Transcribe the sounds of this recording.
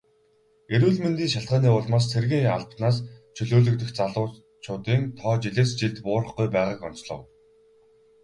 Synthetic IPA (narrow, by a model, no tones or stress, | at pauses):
eɾuːɮment̪iːŋʃaɬt̪̚ɢaːniːʊːɮmaːs̬t͡sʰerɣiːŋa̰ɮp̪naːst͡ɕʰɵɮoːɮɵ̆kt̪ɵ̆xt͡saɮʊː | t͡ɕʰʊːt̪iːnt̪ʰɔːt͡ɕiɮeːst͡ɕiɮt̪pʊːɾə̆χɡujpæːʁaːkɔn̥t͡ɕɮɞ̰̆w